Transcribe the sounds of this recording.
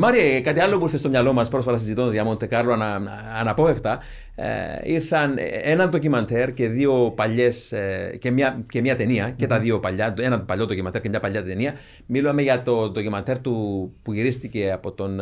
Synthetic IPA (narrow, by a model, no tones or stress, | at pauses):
mɐɾiekɐt̪iɐlːopuiɾθest̪omɲɐlo̞mɐspɾosfɐt̪ɐsizit̪ond̪ɐzʝɐmont̪ːekɐɾlonɐː | nɐpo̞ext̪ɐ̰ | iɾθɐnenɐnd̪ocimɐnt̪ʰe̞ɾce̞ðio̞pɐʎːe̞scemɲɐcemɲɐt̪eniɐce̞t̪ɐðiopɐʎːɐenɐpɐʎːod̪ocimɐnt̪eɾcemɲɐpɐʎːɐt̪eniɐ | miluɐmeʝɐt̪o̞d̪ocimɐnt̪ʰe̞ɾt̪upuʝiɾist̪ice̞ɐpo̞t̪o̞n